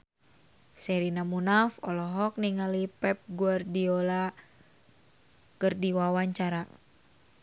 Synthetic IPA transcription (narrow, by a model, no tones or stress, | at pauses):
sɛɾinamunafɔlɔɦɔk̚niŋalipɛp̚ɡuardiɔla | kɨrdiwawaɲt͡ʃaɾa